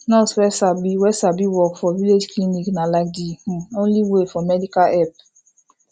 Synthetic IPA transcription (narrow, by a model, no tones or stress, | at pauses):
nɔswɛsabiwɛsabiwɔkfɔviled͡ʒkliniknalak̚dihũõnliwefɔmɛdikaɛp̚